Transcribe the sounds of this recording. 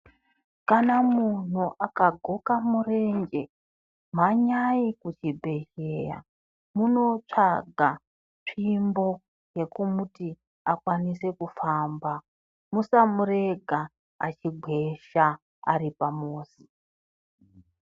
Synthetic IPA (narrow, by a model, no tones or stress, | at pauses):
kanamun̤uʔakaɡʱokamure̞ɲd͡ʒe̞ | m̤aɲaikut͡ʃibʱe̞ʃeja̰ | muno̞t͡ʂaɡʱa | ʂimbo̞ | je̞kumuti | akwanise̞kufamba | musamuɾe̞ɡʱa̰ː | t͡ʃiɡʱwe̞ʃa | a̰ripamoːsi̥